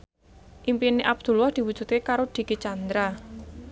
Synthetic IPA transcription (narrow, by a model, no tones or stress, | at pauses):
ʔimpiniʔab̚d̪̥ṳlwahd̪̥i̤wud̥d͡ʒ̥ṳt̪kekaɾod̪̥i̤kit͡ʃand̪ɾa